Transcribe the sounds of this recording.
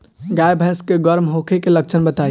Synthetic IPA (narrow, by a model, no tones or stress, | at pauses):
ɡajbʱə̃skeɡəɾmɦokʰekelək̚t͡ʃʰənbət̪a